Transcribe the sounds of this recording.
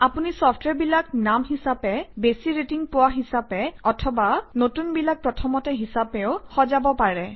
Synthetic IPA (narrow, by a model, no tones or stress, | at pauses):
apunisɔpʰtʰwɛɹbilaknamɦisapɛbesiɹetiŋpʊwaɦisapɛɔtʰɔbanotunbilak̚pɹɔtʰɔmɔtɛɦisapɛʊxɔzabɔpaɹɛ